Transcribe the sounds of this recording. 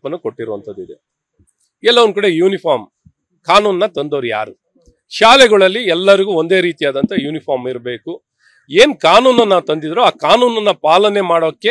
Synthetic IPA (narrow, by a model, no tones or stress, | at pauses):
pɐnːɐko̞ʈːiɾoɐnt̪ɐd̪ːid̪e | ɛlːɐʋond̪kɐɽejuːnipʰaːɾm | kaːnuːnnːɐt̪ɐnd̪oːɾuja̰ːɾu | ʃaːlɛɡɐɭɐlːiɛlːɐɾiɡuo̞nd̪e̞ːɾiːt̪ijaːd̪ɐnt̪ɐjuːnipʰaːɾmiɾɐbe̞ːku | eːnkaːnuːnɐnːat̪ɐnd̪id̪ɾoaːkaːnuːnɐnːɐpaːlɐnemaːɽoːkːe̞